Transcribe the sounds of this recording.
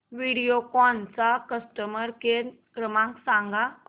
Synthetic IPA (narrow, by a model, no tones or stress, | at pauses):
ʋiɽijokɔnt͡sakəsʈəməɾke | kɾəmãksãŋɡa